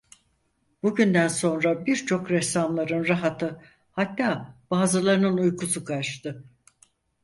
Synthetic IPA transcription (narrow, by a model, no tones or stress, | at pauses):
b̥uɟynd̪ænso̞nɾabiɾt͡ʃʰo̞kɾɛsamlˠaɾɯnɾaɦat̪ʰɯ | hat̪ːaːb̥aːzɯlˠaɾɯnɯnujkʰusukʰaʃt̪ɯ